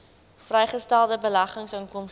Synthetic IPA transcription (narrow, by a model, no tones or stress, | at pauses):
frɛjχəstælˠdəbəlɐχəŋsəŋkɔms